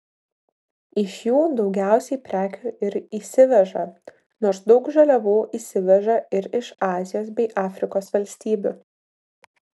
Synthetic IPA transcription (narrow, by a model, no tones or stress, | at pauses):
ɪʃjuːd̪ɒʊɡʲæˑʊsʲɛɪpʲɾʲæːkʲuːʔɪɾiːsʲɪʋʲɛʒɐ | noːɾsd̪ɒʊkʒɐlʲɛʋuːʔiːsʲɪʋʲɛʒɐɪɾɪʃɑːzʲɪjoːs̬bʲɛɪʔɑːfʲɾʲɪkoːsʋɐlʲsʲt̪ʲiːbʲṵː